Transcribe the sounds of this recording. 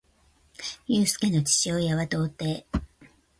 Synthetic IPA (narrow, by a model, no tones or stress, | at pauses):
jɯ̟ːsɨ̥ke̞no̞t͡ɕi̥ɕo̞ːjaβat̪o̞ːt̪e̞ː